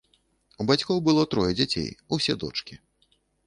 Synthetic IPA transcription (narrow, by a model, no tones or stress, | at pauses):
ubat͡sʲkɔwbɨlˠɔt̪ɾɔjɛd͡zʲat͡sʲḛjusʲɛd̪ɔ̰t͡ʂkʲi